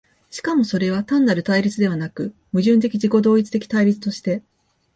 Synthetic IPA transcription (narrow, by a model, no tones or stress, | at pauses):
ɕi̥kamo̞so̞ɾe̞β̞at̪ãnːaɾɯ̟t̪aiɾʲit͡sɨd̪e̞βanakɯ̟ | mɯ̟ʑɨ̃nt̪̬e̞kʲiʑiko̞d̪o̞ːit͡sɨ̥t̪e̞kʲi̥t̪aiɾʲit͡sɨ̥t̪o̞ɕi̥t̪e̞